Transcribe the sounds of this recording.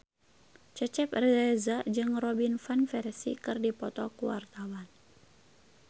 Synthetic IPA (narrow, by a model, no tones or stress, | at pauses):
t͡ʃət͡ʃɛprɛɛzad͡ʒɨŋrɔbinfanfɛɾsḭkɨrdipɔt̪ɔkuwa̰rt̪awan